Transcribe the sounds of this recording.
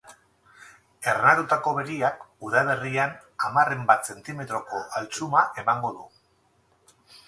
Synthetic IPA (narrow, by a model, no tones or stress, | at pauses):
e̞rnat̪ut̪ako̞βe̞ɾiakuðaβe̞rianamare̞mbat̪se̞nt̪ime̞t̪ɾo̞ko̞ʔalt͡sumaʔe̞maŋɡo̞ðu